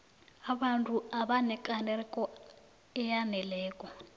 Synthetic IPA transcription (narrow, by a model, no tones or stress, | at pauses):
aβantʰʼuaβanɛkʼanɛɾɛkʼɔ | ɛjanɛlɛːkʼɔ